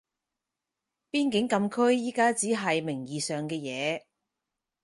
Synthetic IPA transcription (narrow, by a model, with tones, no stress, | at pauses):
piː˥nkɪ˨˥ŋkɐ˧mkʰɵ˥ɥjiː˥kaː˥t͡siː˨˥ɦɐ˨jmɪ˨˩ŋjiː˨sœː˨ŋkɛː˧jɛː˨˧